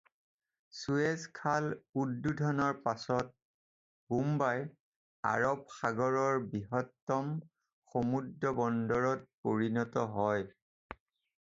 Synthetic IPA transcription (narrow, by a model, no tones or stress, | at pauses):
suezkʰaludːudʱɔnɔɹpasɔt̚ | bumbaj | a̰ɹɔb̚xaɡɔɹɔɹbiɦɔtːɔm | xomudɹɔbɔndɔɹɔt̚poɹinɔtɔɦɔj